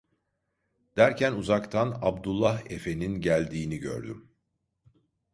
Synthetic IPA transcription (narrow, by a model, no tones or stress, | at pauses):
d̪̥æɾcʰænuzakt̪ʰanabd̪ulˠːaɦe̞fe̞ninɟælʲd̪iːniɟø̰ɾd̪ym